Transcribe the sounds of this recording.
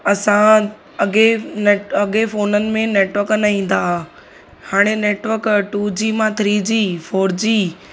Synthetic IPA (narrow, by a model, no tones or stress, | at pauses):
ɐsã | ɐɠeneːʈɐɠefoːnənɪ̆mẽneːʈʋəɾknɐɦĩːn̆d̪aɦ | haːɽ̃eneːʈʋəɾkʈud͡ʑiːmãt̪ʰɾiːd͡ʑiːfoːɾd͡ʑiː